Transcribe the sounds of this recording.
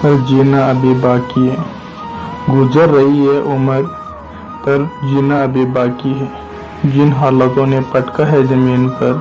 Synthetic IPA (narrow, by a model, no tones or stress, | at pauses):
pəɾd͡ʒeːnaəbebaːkiɦɛː | ɡʊd͡ʒəɾːəɦiɦɛʔʊməɾ | pəɾd͡ʒiːnaɐbebaːkiɦɛ | d͡ʒɪnɦaːlət̪õnepəʈkaɦɛd͡ʒɐmiːnpɐɾ